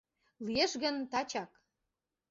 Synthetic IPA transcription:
lijeʃɣə̆nt̪ɑt͡ɕɑk

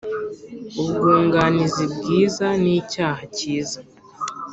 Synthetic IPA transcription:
uβɡuːŋɡanizibɡiːzaniːcaːhaciːza

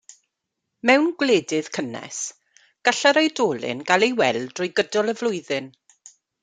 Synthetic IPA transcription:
mɛwnɡwleːdɪð̥kʰənɛ̰s | ɡ̥aɬaɾejdoːlˠɪ̰nɡalejwɛlˠdrʊjɡədɔlˠəvlʊjðɨn

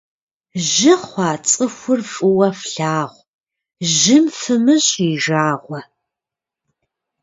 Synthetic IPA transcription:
ʒɪχʷɑːt͡sʼɨxʷʊrfʼɨwɐfɬaːʁʷ | ʒɪmfɨmɨɕʼiʒaːʁʷɐ

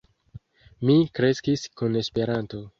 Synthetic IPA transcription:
mikɾe̞skiskune̞spe̞ɾanto̞

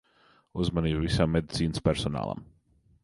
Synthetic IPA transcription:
uzmaniːbvisamːed̪it̪siːnəspʲɛɾsɔna̰ːlˠa̰m

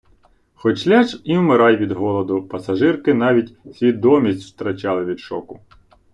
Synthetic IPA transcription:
xɔt͡ʃlʲat͡ʃiʊmɪɾɑjʋʲid̪ɦɔlˠɔd̪ʊpɐsɐʒɪrkɪnɑʋʲitʲsʲʋʲid̪ɔmʲisʲtʲwt̪ɾɐt͡ʃɑlˠɪʋʲid̪ʃɔ̰kʊ

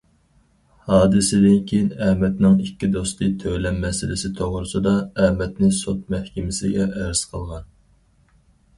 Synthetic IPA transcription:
hɑːd̪ɨsɪd̪ɪnkʲʰejɪnɛmɛt̪nɪŋikʲʰːid̪ost̪ɨt̪ʰølɛmːɛsɪlɪsɪt̪ʰoʁɾʊsɨd̪ɑɛmɛt̪nɪsot̪̚mɛhkʲɪmɪsɪɡʲɛʔæɾz̥qʰəlˠʁɑn

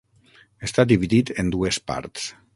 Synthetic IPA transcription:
est̪ad̪iβiðit̪end̪uespa̰ɾt̪s

